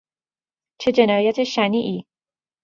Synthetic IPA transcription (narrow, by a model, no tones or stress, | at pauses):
t͡ʃʰe̞d͡ʒe̞nɒːjæt̪ʰe̞ʃæniːʔiː